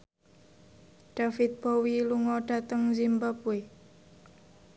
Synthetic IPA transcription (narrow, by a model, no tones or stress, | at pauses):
ɖ̥afɪt̪̚bowiluŋɔɖ̥a̤t̪əŋzimbapue